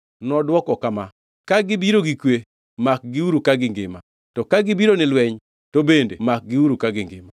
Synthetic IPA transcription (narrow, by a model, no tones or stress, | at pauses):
nɔdwɔkɔkama | kaɡɪbiɾoɡikwe | mak̚ɡɪuɾukaɡɪŋɡɪ̰ma | tɔkaɡɪbiɾonɪlwɛɲ | tobendḛmak̚ɡɪuɾukaɡɪŋɡɪma